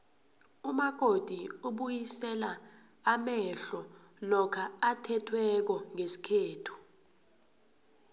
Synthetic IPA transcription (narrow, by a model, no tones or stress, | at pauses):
umaɡ̥ʱod̥ʱiuɓujisɛla | amɛɬɔ | lɔkʰaatʰɛtʰwɛk̬ɔŋesi̥kʰeːtʰu̥